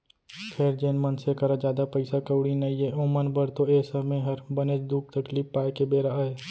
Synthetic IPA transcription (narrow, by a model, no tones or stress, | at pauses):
kʰeːɾd͡ʒeːnmənsekɐɾad͡ʒaːd̪apəɪsakəwɽinɐijeõːmənbəɾt̪oeːsəmẽɦɐɾbəned͡ʒd̪uːk̚t̪əkliːpːaːjkebeːɾaɐe